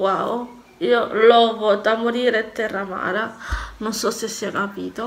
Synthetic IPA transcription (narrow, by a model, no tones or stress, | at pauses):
wao | iolɔɣot̪amoɾiɾɛt̪ːɛrama̰ɾanososesiakapit̪o